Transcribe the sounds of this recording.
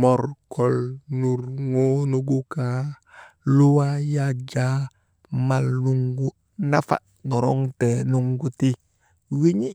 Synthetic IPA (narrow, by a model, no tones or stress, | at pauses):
moɾkʰolnuɾŋonuɡuka | luwajad͡ʒa | malːuŋɡu | nafa̰ | noɾoŋtenuŋɡuti | wiɲi